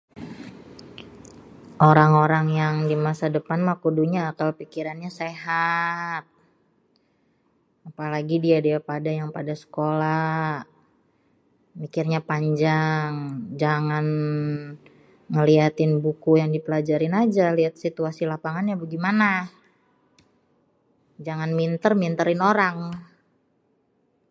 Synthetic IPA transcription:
ʔoɾaŋoɾaŋjaŋdimasadəpanmakuduɲaːt̪awpikiɾanɲaseɦat̪̚ | apalaɡidiadiapadajaŋpadasə̥kola | mikɪrɲapaɲd͡ʒaŋd͡ʒaŋan | ŋəliat̪ɪnbukujaŋdipəlad͡ʒaɾɪnad͡ʒaliat̪̚sit̪uasilapaŋanɲabɡimana | d͡ʒaŋanmint̪ərmint̪əɾɪnoɾaŋ

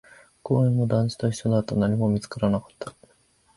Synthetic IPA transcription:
ko̞ːẽmːo̞d̪ãɲ̟t͡ɕi̥t̪o̞çi̥ɕenat̪onaɲ̟imo̞mʲit͡sɨ̥kaɾanakḁt̪ːḁ

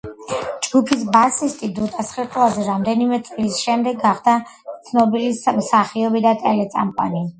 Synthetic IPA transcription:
d͡ʒɡupʰisbasist̪ʼid̪ut̪ʼasχit̪ʼlˠazɛɾamd̪ɛnimɛt̪sʼlisʃɛmd̪ɛɡːaχd̪a | t̪sʰnɔbilismsaχiɔbid̪at̪ʼɛlɛt̪sʼa̰mpʼa̰ni

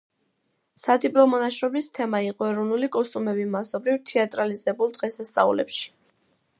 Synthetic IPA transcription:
sad̪ipʼlˠɔmɔnaʃɾɔbist̪ʰɛmaiqʼɔɛɾɔvnulikʼɔst̪ʼumɛbimasɔbɾivt̪ʰɛat̪ʼɾalizɛbulˠd̪ʁɛsast̪sʼa̰ṵlɛ̰pʃi̥

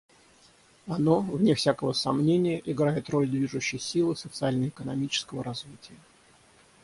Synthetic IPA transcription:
ɐno̞vnʲɪfsʲakəvəsɐmnʲenʲɪjəʔɪɡɾajɪt̪ro̞lʲd̪vʲiʐʊɕːɪjsʲilˠɨsət̪sɨalʲnəjəɪkənɐmʲit͡ɕɪ̥skəvəɾɐzvʲitʲɪjə

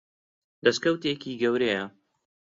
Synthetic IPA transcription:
d̪̥ɐskɐwt̪ekiːɡɐwɾejɐ

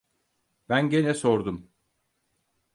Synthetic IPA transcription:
b̥ænɟenɛsoɾd̪um

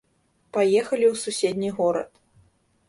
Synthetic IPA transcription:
pajɛxɐlʲiwsusʲɛd̪ʲnʲiɣɔɾɐ̰t̪

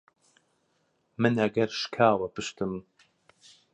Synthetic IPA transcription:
mɨnɐɡɐɾʃkʰaːwɐpɨʃt̪ɨm

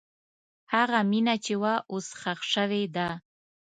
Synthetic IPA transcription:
haɣaminat͡ʃewaʔosxaxʂəwed̪a

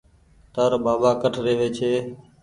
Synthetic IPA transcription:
t̪əɾbaːbaːkəʈʰɾeːʋeːt͡ʃʰeː

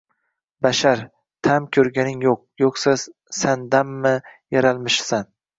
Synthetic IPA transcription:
baʃaɾ | t̪ʰamkʲʰɵɾɡʲanɪŋjoq̚joqsa | sand̪amːɪjaɾalˠmɪʃsan

